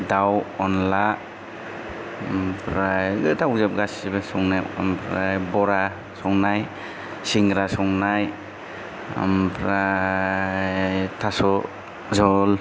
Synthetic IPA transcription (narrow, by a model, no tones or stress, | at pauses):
dawɔnla | mpɾajɡɯtʰawzap̚ɡasibesɔŋnajɔ̰mpʰɾajbɔɾa | sɔŋnaj | siŋɡɾasɔŋnaj | mpʰɾa | tʰasɔ | zɔl